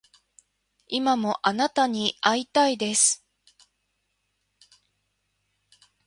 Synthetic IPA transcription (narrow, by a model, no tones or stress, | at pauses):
imamo̞ʔanat̪aɲ̟iait̪aid̪e̞sɨ̥